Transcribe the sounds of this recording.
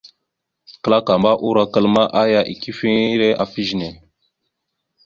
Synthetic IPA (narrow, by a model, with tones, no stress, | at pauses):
kə˦la˦ka˨ma˦ʔu˦ɾa˦kə˦lma˦ʔa˦ja˦ʔi˨ki˦fi˦ɾe˦ʔa˨fi˦ʒi˨ne˨